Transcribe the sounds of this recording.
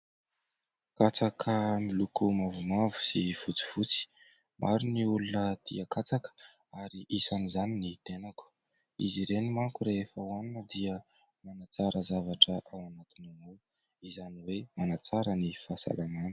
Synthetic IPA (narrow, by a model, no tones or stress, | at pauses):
kat͡sakʰəmilukumavumavu̥siv̥ut͡si̥v̥ut͡si̥ | mʔaɾuniulunət̪ḭakat͡sakə̥ | aɾiʔisanizaninit̪enaku̥ | ḭziɾenimaŋkuɾeefəwanunəd̪iə | manat͡saɾəzavaʈ͡ʂəʔawanat̪inunuw | izaniwemanat͡saɾənifasa̰lamanə̥